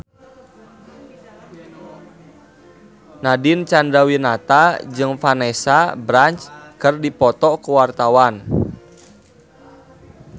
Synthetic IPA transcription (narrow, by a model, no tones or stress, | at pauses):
nadint͡ʃandawinat̪ad͡ʒɨŋfanɛsabɾant͡ʃkərdipɔt̪ɔkuwart̪awan